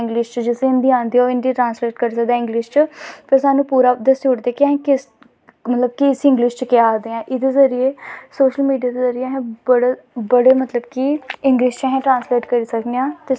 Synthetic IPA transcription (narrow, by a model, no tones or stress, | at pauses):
ɪ̃ŋɡlɪʃt͡ʃd͡ʒɪsẽɪnd̪iːãːnd̪iːoːɪnd̪iːʈɾãːnsleːʈkəɾsəkd̪ãːɪ̃ŋɡlɪʃt͡ʃpəɾsaːnũːpuːɾaːd̪əsʊʈd̪eːkɪɛ̃ːkɪs | mət̪ləb̚kiɪsɪ̃ŋɡlɪʃt͡ʃkɪaːd̪eːɛ̃ːʔɪd̪eːzəɾɪeːsoːʃəlmiːɖijaːd̪eːzəɾɪeɦɛ̃ːbəɽ | bəɽeːmət̪ləbkiɪŋɡlɪʃt͡ʃaɦɛ̃ːʈɾãːnsleːʈkəɾiːsəkneãːt̪e